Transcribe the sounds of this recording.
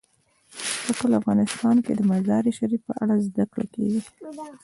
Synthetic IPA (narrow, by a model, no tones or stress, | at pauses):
pəkəlafɣɑnɪst̪ɑnked̪əmazɑɾiʃaɾipəʔa̰ɽazd̪akɽa̰kḛɡi